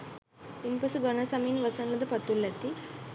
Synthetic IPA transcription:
impɐsuɡɐnɐsɐminʋɐsɐnlɐd̪ɐpɐt̪ːulːɐt̪i

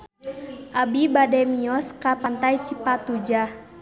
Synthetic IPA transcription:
ʔabibadɛmiɔskapant̪ajt͡ʃipat̪ud͡ʒa

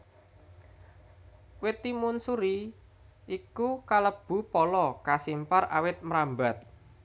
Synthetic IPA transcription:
wɪt̪ːimunsuɾi | ʔikukaləb̥ṳpɔlɔkasimpara̰wɪt̪̚mɾambat̪̚

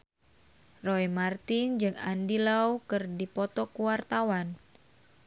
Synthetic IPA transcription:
roemart̪ind͡ʒɨŋandilaukɨrdipɔt̪ɔkuwart̪awan

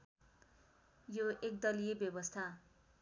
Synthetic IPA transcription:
joek̚d̪ʌlijebjʌbʌst̪ʰa

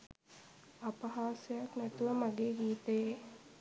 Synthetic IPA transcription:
apɐɦaːsəjaknæt̪uʋəmaɡeːɡiːt̪eje

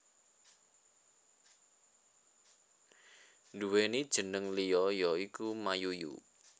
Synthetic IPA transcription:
nduwenid̥ʒ̥ə̤nəŋlijɔjɔikumajujṵ

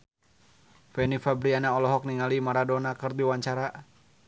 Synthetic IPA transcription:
fɛnifabɾianaɔlɔɦɔk̚niŋalimaɾadɔnakɨrdiwaɲt͡ʃaɾa

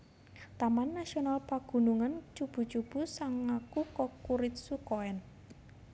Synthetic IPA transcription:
t̪amanːasionalpaɡ̥ṳnuŋant͡ʃub̥ṳt͡ʃub̥ṳsaŋːakukɔkuɾɪt̪̚sukoɛn

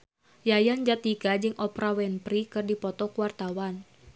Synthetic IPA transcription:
jajand͡ʒat̪iɡad͡ʒɨŋʔɔpɾawɛnpɾikɨrdipɔt̪ɔkuwart̪awan

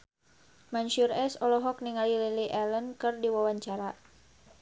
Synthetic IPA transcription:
manʃuɾɛsɔlɔɦɔk̚niŋalililiʔɛlənkɨrdiwawaɲt͡ʃaɾa

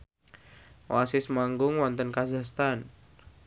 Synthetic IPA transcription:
wasɪsmaŋɡʊŋwɔnt̪ənkazahst̪an

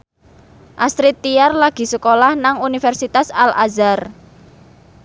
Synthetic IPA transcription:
ʔast̪ɾɪt̪ːijarlaɡ̥i̤səkolahnaŋunifɛrsit̪asala̰zar

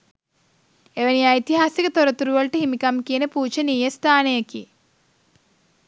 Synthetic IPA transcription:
eʋeniajt̪iɦaːsikət̪oɾɐt̪uɾuʋɐɭʈɨɦimikɐmkinəpuːt͡ʃɐnijest̪ʰaːnejeki

